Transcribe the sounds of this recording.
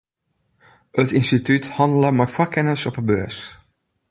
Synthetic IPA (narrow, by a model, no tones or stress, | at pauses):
ətɪnstitythɑndələmarfakɛnəsɔpəbøːəs